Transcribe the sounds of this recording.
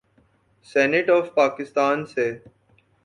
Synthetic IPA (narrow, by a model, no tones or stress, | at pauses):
sɛneʈɔːfpaːkɪst̪aːnse